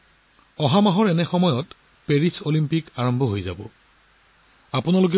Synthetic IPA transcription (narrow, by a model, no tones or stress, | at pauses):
ɔɦamaɦɔɹɛnɛxɔmɔjɔt | peɹisolimpikaɹɔmbʱɔɦojza̰bɔ̰ | apʊnalok̬ɛ